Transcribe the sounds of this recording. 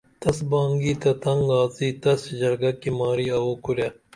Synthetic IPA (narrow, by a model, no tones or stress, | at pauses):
t̪ɐsbãːŋɡiːt̪ɐt̪ɐŋɡaːziːt̪ɐsd͡ʒɐɾɡɐkimaːɾiːɐwoːkuɾjaː